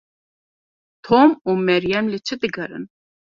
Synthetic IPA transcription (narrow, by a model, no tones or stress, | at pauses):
t̪ʰomumɛɾjɛmlɨt͡ʃʰɨd̪ɨɡɐɾɨ̰n